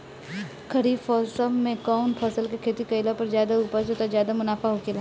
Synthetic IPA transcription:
kʰɐɾiːbfɔːsəːẽkaːʊnpʰɔːsəlkekʰeːt̪ikɐɪlapɐɾzjaːd̪auːpəsoːt̪azjaːd̪amʊnaːfaɦokɪl

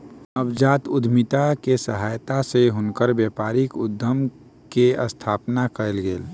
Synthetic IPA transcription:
əbd͡ʒaːt̪ʊd̪ʱmit̪akesəɦaːjt̪aseɦʊnkəɾbjepaːɾikʊd̪ʱːəm | keə̰st̪ʰaːpnakəelɡeːl

